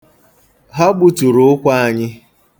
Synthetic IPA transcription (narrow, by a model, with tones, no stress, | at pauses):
ɦɔ˦ɡ͡bu˦tu˨ɾʊ˨˦ʊ˦kʷa˦a˨ɲɪ˦